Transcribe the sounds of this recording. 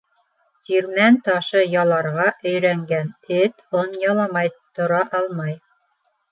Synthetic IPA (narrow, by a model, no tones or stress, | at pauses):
t̪iɾmænt̪ɑʃɤjɑlˠɑɾʁɑʔɵ̆jɾæŋɡænɘt̪onjɑlˠɑmɑjt̪ŏɾɑʔɑlˠmɑj